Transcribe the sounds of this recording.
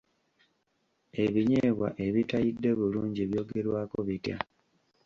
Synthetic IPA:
e̞βiɲeːβwa̰ʔe̞βitajidːe̞βuluːɲɟieβjo̞ːɡe̞ɾwaːko̞βitja̰

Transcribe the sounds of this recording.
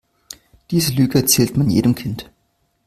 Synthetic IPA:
d̥iːzəlyːɡəɛɐt͡sɛːltmanjḛːdəmkʰɪnt

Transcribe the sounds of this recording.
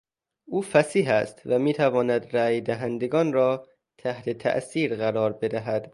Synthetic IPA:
ʔuːfæsiːɦæst̪væmiːt̪ʰævɒːnæd̪ɾæːjd̪æɦænd̪eɡɒːnrɒː | t̪ʰæht̪ʰe̞t̪ʰæ̰ʔsiːɾɣæɾɒːɾbe̞d̪æɦæd̪̥

